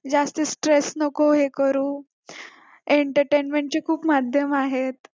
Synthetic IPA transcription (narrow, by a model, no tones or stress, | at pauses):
d͡zast̪əsʈɾesnəkoɦekəɾũː | eɳʈəɾʈenmeɳʈ̚t͡ɕekʰuːpmad̪ʱjəmaɦet̪̚